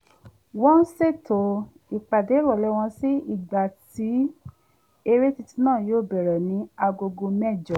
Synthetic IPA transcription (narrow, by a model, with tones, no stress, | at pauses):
wɔ̃˦n̩˦se˦˨to˨˦ | i˨k͡pa˨de˨˦ɾɔ˦˨lɛ˦w̃ɔ̃˧si˦i˦˨ɡ͡ba˨ti˨˦ | e˧ɾe˦ti˧ti˧˦nãː˦˨joː˦˨bɛ˨ɾɛ˨nĩ˨˦a˧ɡo˧ɡo˧mɛ˦˨d͡ʒɔ˨